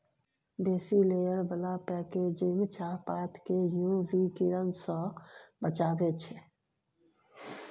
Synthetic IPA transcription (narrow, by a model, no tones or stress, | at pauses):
beːsileːjəɾbəlapɛːkeːd͡ʒeŋt͡ʃaːpaːt̪kejũʋikiɾənsɔ̃bət͡ʃaːbet͡ʃʰe